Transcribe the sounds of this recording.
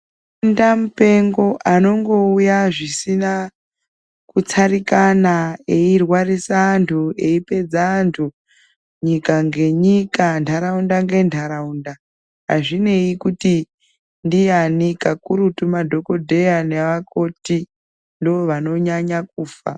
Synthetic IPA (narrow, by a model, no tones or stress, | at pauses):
ndamupe̞ŋɡo̞ʔano̞ŋɡo̞ujaʐisina | kut͡saɾikanaeirwarisaːntʰue̞ipe̞d͡zaːntʰu | ɲikaŋɡe̞ɲikantʰaɾaundaŋɡe̞ntʰaɾaunda | ɦa̰ʐine̞ikuti | ndijanikakuɾutumadʱo̞ko̞dʱe̞janeʋako̞ti | ndooʋano̞ɲaɲak̚uːfa̰